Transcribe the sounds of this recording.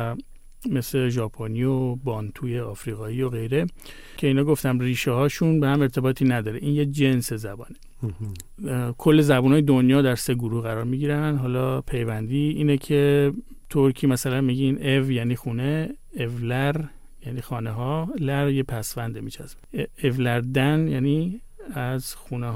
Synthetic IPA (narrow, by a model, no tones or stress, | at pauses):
me̞sleʒɒːpʰoniobɒːnt̪ʰuːjeɒːfɾiːɣɒːiːo̞ɣe̞jɾe̞ | cʰe̞iːnɒːɡo̞ft̪æmriːʃehɒːʃunbehæme̞ɾt̪ʰe̞bɒːt̪ʰiːnæd̪ɒːɾeʔiːnjed͡ʒe̞nse̞zæbɒ̰ːne | kʰolːe̞zæbunɒːjed̪o̞njɒːd̪æɾse̞ɡuɾuhɣæɾɒːɾmiːɟiɾænd̪ɦɒːlɒpʰe̞jvænd̪iːiːnecʰe̞ | t̪ʰoɾcʰiːmæsælænmiːɟinevjæniːxuːneː | vlæɾ | jæːniːxɒːneɦɒlæɾjepʰæsvænd̪emiːt͡ʃʰæs | evlæɾd̪ænjæːni | æzxuːneɦ